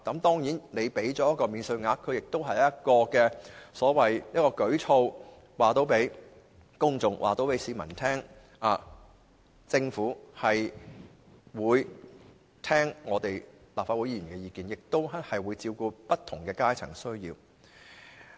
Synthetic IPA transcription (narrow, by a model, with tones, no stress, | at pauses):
k̪ɐ˨˥mt̪ɔː˥ŋjiː˨˥nne˨˧jpe˨˥jt͡sɔː˨˧˥jɐ˥t̚kːɔː˧miː˨˧nsɵ˧ɥŋaː˧kʰːɵ˨˧ɥjɪ˨k̚t̪o˥wɦɐ˨jjɐ˥t̚kɔː˧kɛː˧sɔː˨˥wɐ˨jniː˥kɔː˧kɵ˨˥ɥt͡sʰo˧w | waː˨t̪o˨˥wpe˨˥j | kʊ˥ŋt͡sʊ˨ŋwʔa̰ː˨˩t̪o˨˧˥wpe˨˥jsiː˨˧˥mɐ̰˨˩nt̪ʰɛː˥ŋ | aː˨˧ | t͡sɪ˧ŋfuː˨˥hɐ˨j | wuː˨˧j | t̪ʰɛː˥ŋŋɔː˨˧t̪e˨j | laː˨pfaː˧wu˨˥jiː˧˥˨yː˨˩nkɛː˧jiː˨˧kiː˨njɪ˨k̚t̪o˥whɐ˨jwuː˨˧jt͡siː˧wkuː˧pɐ˥t̪ʰʊ˨˩ŋkɛː˧kaː˥jt͡sʰɐ̰˨˩ŋsɵ˥ɥjḭː˧w